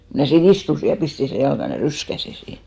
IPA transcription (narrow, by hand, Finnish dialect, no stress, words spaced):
ko mnæˑ siːn istusi jɑ pisti seˑ jɑlkɑn jɑ ryskæsi siːn